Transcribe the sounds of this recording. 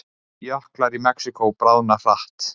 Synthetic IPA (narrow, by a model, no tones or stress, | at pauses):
jœhklaɾimɛksikowpɾaːwnafaht̪